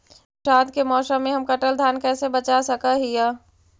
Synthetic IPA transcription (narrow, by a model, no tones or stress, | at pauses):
ʃaːd̪kemɔːʃəmẽɦɐmkɐʈəld̪ʱaːnkɛːsebɐt͡ʃasɐkaɦijaː